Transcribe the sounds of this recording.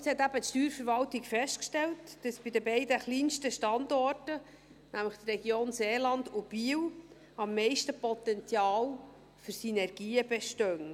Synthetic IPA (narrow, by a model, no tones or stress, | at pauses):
shɛt̪ːæbətʃtyːɾfəɾvɑltɪkfɛst̚kʃtɛltd̥ɑsb̥idəbɛɪdəχliːnʃtəʃtɑndɔrtə | næmləχt̪rɛɡjoːnseːlɑndʊb̥iːw | ɑmːɛɪʃtəpɔt̪ɛnt͡sjɑːl | fyɾsynɛɾɡ̥iːəbɛʃtœn